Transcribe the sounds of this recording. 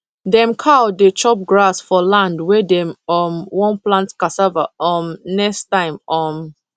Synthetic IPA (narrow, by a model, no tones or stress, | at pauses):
dɛ̃mkʰadet͡ʃɔp̚ɡɹasfɔlãndwɛdɛ̃mɔmwɔ̃nplãntkasavaɔmnɛkstãɪ̃mɔ̃m